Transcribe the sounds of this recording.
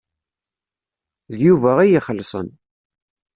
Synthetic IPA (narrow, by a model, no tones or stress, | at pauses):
ðjuvæʁijiχəlːsˤə̰n